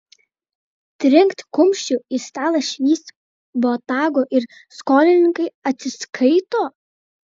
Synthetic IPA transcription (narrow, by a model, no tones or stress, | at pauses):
t̪ʲɾʲɪŋkt̪kʊmʲʃʲt͡ʃʲʊist̪ɑːlˠɐʃʲʋʲiːs | boːt̪ɑːɡoːʔɪɾ | skoːlʲɪnʲɪŋkɐɪɐt̪ʲsʲɪskʰɐɪt̪oː